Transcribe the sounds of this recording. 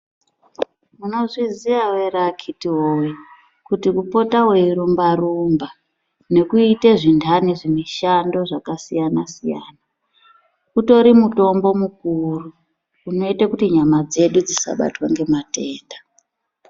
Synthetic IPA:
muno̞ʐiziʋawerakʰitiɦowe | kutikupo̞taweiɾumbaɾumba | ne̞kuiteʐindʰaniʐimiʃando̞ʐakasijanasija̰ːna | uto̞ɾimuto̞mbo̞mukuruː | no̞itakutiɲamad͡ze̞ɗud͡zisa̰ɓa̰twaŋɡe̞mateːnda

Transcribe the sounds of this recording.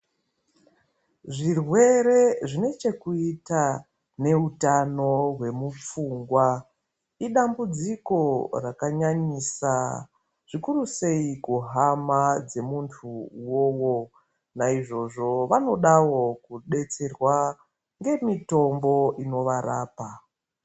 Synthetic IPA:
ʐirwe̞ɾe̞ʐine̞t͡ʃe̞kuita | ne̞utano̞ɦwe̞mup͡fuːŋɡwa | iɗambud͡ziko̞rakaɲaɲisa | ʐ̥ikuruse̞ikuɦamad͡ze̞muntʰuwoːwo̞ | naiʐo̞ʐo̞ʋano̞ɗawo̞kuɗe̞t͡se̞rwa | ŋɡe̞mito̞mbo̞ino̞ʋara̰ːpa

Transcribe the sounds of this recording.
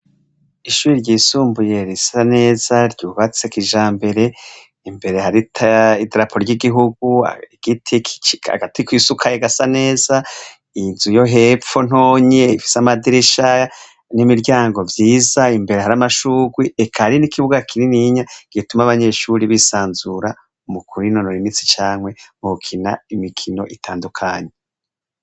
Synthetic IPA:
iʃuːɾiɾɟiːsuːmbuje̞ɾisane̞ːzaɾɟuːβat͡sekiʒaːmbe̞ɾe̞ | imbe̞ɾe̞haɾitʰaidɾapʰoɾɟiɡiɦuɡ̚ua̰ɡ̥itʰi̥a̰ɡatʰikwisukʰajeɡasane̞ːz̥a | inzujo̞ɦe̞fo̞n̥o̞ːɲe̞ifi̥samadiɾiʃaja | nimiɾɟaːŋɡo̞vjiːzaimbe̞ɾeɦaɾamaʃuːɡwiekʰaɾinikʰiβuɡakʰiɾiniɲaɡ̥itumaβaɲe̞ʃuɾiβisaːnzuɾa | umukʰuɾinonoɾinit͡si̥t͡ʃaːŋwe̞mukʰinaimikʰino̞ʔitʰaːndukʰaːɲe

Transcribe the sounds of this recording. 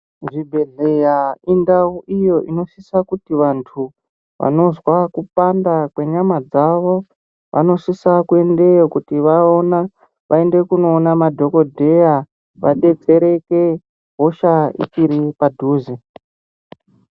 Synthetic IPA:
ʐibʱe̞ɮejaindauʔijo̞ʔino̞sisakutiʋantʰu | ʋa̰no̞zwakupandakwe̞ɲamad͡zaʋo̞ | ʋʔa̰no̞sisakue̞nde̞jokutiʋaona | ʋʔae̞nde̞kuno̞ːnamadʱo̞ko̞dʱe̞ja | ʋa̰ɗe̞t͡se̞ɾe̞ke̞ | ɦo̞ʃaḭt͡ʃiɾipadʱuːzi

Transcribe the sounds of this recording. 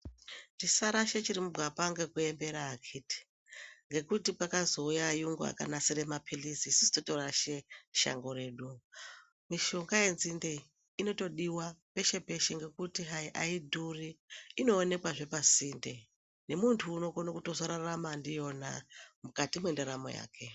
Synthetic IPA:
tisaɾaʃet͡ʃiɾimubʱapaŋɡekuembe̞ɾaːkʰiti̥ | ŋɡe̞kutipakazo̞ujajuŋɡua̰kanasiɾemapʰilisiːsisi̥totoɾaʃeʃa̰ŋɡo̞ɾe̞ːɗu | miʃo̞ŋɡaje̞nzinde | ino̞to̞ɗiwape̞ʃe̞pe̞ʃeŋɡe̞kutiɦajiʔaidʱuriːno̞ːne̞kwaʐe̞pasinde̞ | ne̞muntʰuːno̞konokuto̞zoɾaramandijo̞namukatimwendaɾamo̰ja̰ːke̞

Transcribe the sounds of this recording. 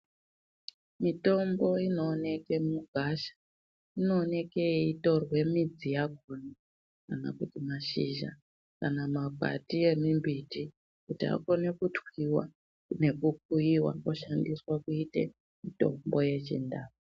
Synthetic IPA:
mito̞mbo̞ino̞ːne̞ke̞muɡʱaʃḁ | ino̞ːne̞keito̞rwe̞mid͡zijakona | kana̰kutimaʃiʒa̰ | kanamaɡʱa̰tie̞mimbiti | kutia̰ko̞ne̞kutwiwa̰ | ne̞kuk̚uiwa̰koʃandiswakuitḛ | mito̞̰mbo̞je̞t͡ʃḭndaːu

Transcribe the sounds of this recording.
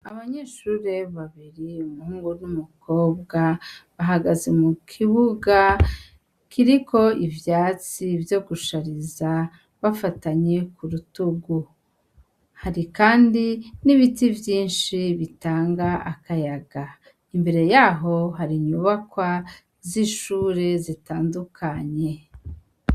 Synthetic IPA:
aβaɲe̞ːʃuɾe̞βaβiɾiumuhuːŋɡunumuko̞ːb̚ɡaβaɦaɡaze̞mukʰiβuɡa | kʰiɾikʰo̞ivjaːt͡sivjo̞ɡuʃaɾiza | βafataɲe̞kuɾutuɡu | haɾikaːndiniβitivjiːnʃiβitaːŋɡaakajaɡa | imbe̞ɾe̞jaːɦo̞ɦaɾiɲuβakwa | ziʃuːɾe̞zitaːndukʰaɲe̞

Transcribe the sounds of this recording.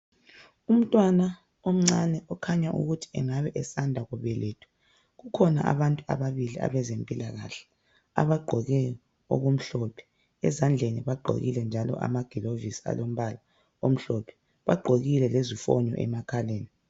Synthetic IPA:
um̩tʼwana | om̩ŋ͡ǀanɛʔɔkʰaɲaʔṵɣutʰi̥ɛŋaβɛʔɛsandʱaɣuβɛleːtʼʰu̥ | ɣukʰɔna̰ʔa̰βantʼua̰βaβilia̰βɛzempʼilaɣa̰ɬɛ̥ | a̰βaɡ͡ǃʱɔɣɛɔ | o̰ɣum̩ɬɔpʰɛ̥ | ɛ̰zand͡ɮʱeniβaɡ͡ǃʱo̰ɣḭlɛnd͡ʒʱalɔ̰ʔa̰maɡ̥ʱilovisia̰lom̩βala | om̩ɬɔpʰɛ̥ | βaɡ͡ǃʱoɣilɛlezifɔ̰ɲɔ̰ʔɛ̰makʰaleːni

